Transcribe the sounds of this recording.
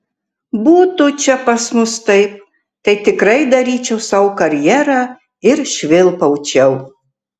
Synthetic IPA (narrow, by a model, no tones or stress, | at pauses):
buːt̪ʊt͡ʃʲɛpɐsmʊst̪ɐɪp̚ | t̪ɐɪt̪ʲɪkɾɐɪd̪ɐɾʲiːt͡ʃʲɛʊsɑːwkɐɾʲjæːɾɑː | ɪɾʃʲʋʲɪlˠpɐʊt͡ʃʲɛʊ